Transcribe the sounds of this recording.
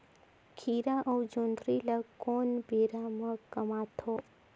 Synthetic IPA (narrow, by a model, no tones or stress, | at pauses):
kʰiɾaʔəwd͡ʒõnd̪ɾiləkːonbeɾamə̃kəmat̪ʰo